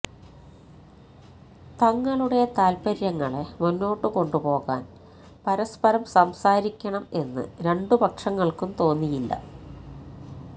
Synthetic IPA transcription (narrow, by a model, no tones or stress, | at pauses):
t̪ɐŋːɐɭuɽe̞t̪aːlpɐɾjɐŋːɐɭemunːo̞ːʈːɨko̞ɳɖupo̞ːɣa̰ːn | pɐɾɐspɐɾɐmsɐmsaːɾikʲːɐɳɐme̞nːɨ̰ɾe̞ɳɖɨpɐkʂɐŋːɐɭkumt̪o̞ːnːijilːɐ̰